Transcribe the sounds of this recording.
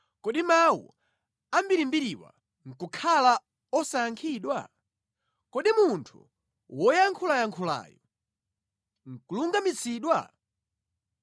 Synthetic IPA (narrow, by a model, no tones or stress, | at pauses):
kɔɗimawṵ | ambiɾimbiɾiwa̰ | ŋ̩kukʰala | ɔsaaŋkʰiːɗwa̰ | kɔɗimuntʰṵ | wɔjaŋkʰulajaŋkʰula̰ːjɔ | ŋ̩kuluŋɡamit͡sʰiːɗwa̰